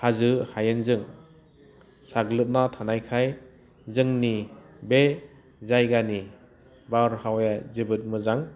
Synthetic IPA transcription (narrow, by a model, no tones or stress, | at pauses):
hazɯhajɯnzɯŋ | saɡlɯt̚natʰanajkʰaj | zɯŋni | be | zajɡani | baɾhawjazɯbɯt̚mɯzaŋ